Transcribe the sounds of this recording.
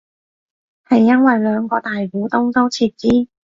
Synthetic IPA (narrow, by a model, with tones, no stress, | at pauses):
hɐ˨jːɐ˥nwɐ˨jlœː˨˧ŋkɔː˧t̪aː˨jkuː˨˥t̪ʊ˥ŋt̪o˥wt͡sʰiː˧t̚t͡siː˥